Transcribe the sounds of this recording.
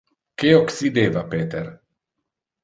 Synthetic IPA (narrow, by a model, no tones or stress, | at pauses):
keoksid̪eːvapeːt̪eɾ